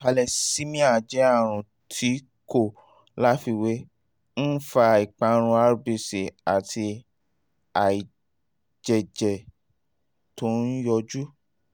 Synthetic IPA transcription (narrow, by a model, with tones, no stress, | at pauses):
pa˧lɛ˧si˦mĩ˦a˨d͡ʒɛ˨˦a˦˨ɾ̃ũ˨ | tʰi˨˦ | ko˦˨ | la˦fi˧we˨˦ | n̩˦fa˧˨i˨k͡pa˨˧˦ɾ̃ũ˧a˧ɾbi˨se˨a˨ti˧ | a˨i˨ | d͡ʒɛ˨d͡ʒɛ˨ | to˨˦n̩˦jɔ˧d͡ʒu˦